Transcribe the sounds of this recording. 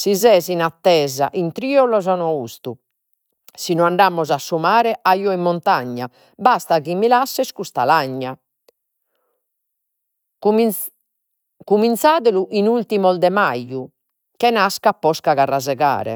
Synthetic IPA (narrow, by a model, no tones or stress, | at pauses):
sizɛːzinat̪ːɛːza̰ʔint̪ɾiːɔlɔzɔnɔust̪u | sinɔaɳɖamːɔzasːumaːɾɛʔaiːɔimːɔnt̪aɲːa̰ | bast̪aɣimːilasːɛskust̪a̰laɲːa | kumint̪saːðɛluʔinult̪imɔld̪ɛmaju | kɛnaskapːɔskaɣarːazɛɣa̰ːɾɛ̰